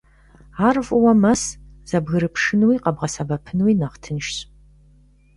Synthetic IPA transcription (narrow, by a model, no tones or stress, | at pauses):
aːrɨfʷʼʊwɐmɐsz̥ɐbɣɨɾɨpʰʂɨnwiːqɐbʁɐsɐbɐpʰɨnwinɐʁtʰɨnʃɕ